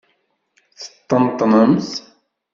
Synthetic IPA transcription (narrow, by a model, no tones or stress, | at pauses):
θə̥t̪ːənt̪ˤːnəmθ